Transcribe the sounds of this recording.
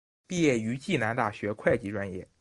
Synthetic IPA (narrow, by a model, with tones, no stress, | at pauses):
pi˥˧jɛ˥˩y˧˥t͡ɕi˥˩na˧˥nt̪a̰˥˩ɕɥɛ˧˥kʰwa˥˩ɪt͡ɕi˧˥ʈ͡ʂwa˧˥njɛ̰˥˩